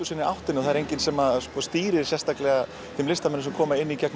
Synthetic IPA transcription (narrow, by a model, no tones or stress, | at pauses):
usɪnɪawht̪ɪnɔɣθaðɛɾejɲcɪnsɛːmaspɔst̪iːɾɪ̥sjɛst̪aklɛɣa | θɪmlɪst̪amɛnːʏmsɛmkʰɔːmaɪnːicɛkn